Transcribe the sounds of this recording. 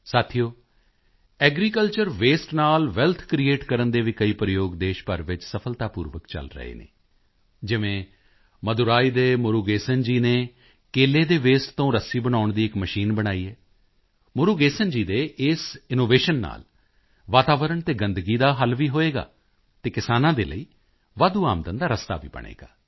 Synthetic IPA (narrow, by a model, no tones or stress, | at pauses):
saːt̪ʰijoː | ɛːɡɾiːkəlt͡ʃəɾʋeːsʈnaːlʋɛlt̪ʰkɾiːeːʈkəɾənd̪eːʋiːkəiːpɾəjoːɡd̪eːʃpəɾʋɪt͡ʃsəpʰəlt̪aːpṵːɾʋəkt͡ʃə̰lɾə̰ḛːnḛː | d͡ʒɪʋẽː | məd̪ʊɾaːiːd̪eːmʊɾuːɡeːsənd͡ʒiːneː | keːleːd̪eːʋeːst̪t̪õːɾəsiːbəɽaːʊɳd̪iːɪkməʃiːnbəɽaːiːɦɛː | moɾuːɡeːsənd͡ʒiːd̪eːʔɪsɪnoːʋeːʃənːa̰ːl | ʋaːt̪aːʋəɾəɳt̪eːɡənd̪ɡiːd̪aːɦəlʋiːɦoːeːɡa̰ː | t̪eːkɪsaːnãːd̪ḛːlə̰iː | ʋaːd̪uːa̰ːmd̪ənd̪aːɾəst̪a̰ːʋḭːbə̰ɳ̃ḛːɡa̰ː